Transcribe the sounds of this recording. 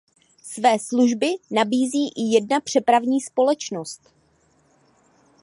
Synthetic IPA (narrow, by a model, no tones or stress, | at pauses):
svɛːsluʒbɪnabiːziːʔɪjɛdnapr̝̥ɛpɾavɲiːspo̞lɛt͡ʃno̞st̪